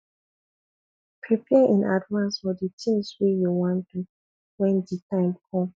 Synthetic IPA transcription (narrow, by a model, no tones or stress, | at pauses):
pʰɹipʰɛʔĩnʔadvãnsfɔditʰĩŋswijuwɔ̃ntu | wɛ̃nditʰãɪ̃mkʰɔ̃m